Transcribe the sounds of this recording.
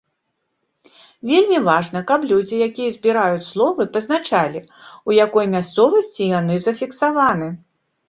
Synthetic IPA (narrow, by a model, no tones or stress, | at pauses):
vʲelʲmʲivaʐnɐkɐplʲud͡zʲijakʲijɐzʲbʲiɾajut͡sʲslˠɔvɨpɐznat͡ʂalʲi | ujakɔjmʲast̪sɔvɐsʲt͡sʲijanɨzɐfʲiksavanɨ